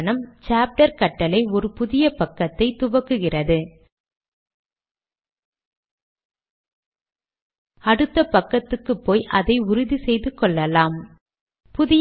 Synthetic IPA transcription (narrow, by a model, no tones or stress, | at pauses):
nɐmt͡ʃaːp̚ʈɐɾkɐʈːɐlɐɪɔɾɯpʊðɪjɐpɐkːɐt̪ːɐɪt̪ʊʋɐkːɯɣɪrɐðɯ | ɐɽɯt̪ːɐpɐkːɐt̪ːɯkːɯpːoːjʔɐ̰ðɐɪʊɾʊðisɛjðɯkːɔɭːɐlaːm | pʊðɪj